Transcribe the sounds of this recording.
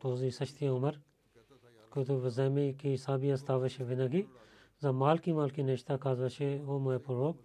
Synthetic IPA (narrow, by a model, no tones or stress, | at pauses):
t̪oːziːsɐʃt̪ijãʊmɐɾ | kʊt̪uʋɐzeːmikisaːbiɐst̪aːʋɐʃeʋɪnaki | zɐmaːlkimaːlkineʃt̪aːkʰaːzʋɐʃeoːmepʊɾoːk